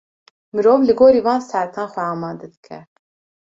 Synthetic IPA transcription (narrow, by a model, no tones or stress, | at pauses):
mɨɾoːvlɨɡoːɾiːvɑːnsæɾt̪ʰɑːnxʷɛɑːmɑːd̪ɛd̪ɨkʰɛ̰